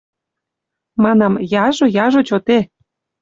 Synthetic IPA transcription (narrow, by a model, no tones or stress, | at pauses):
mɑnɑmjɑʒojɑʒot͡ɕot̪e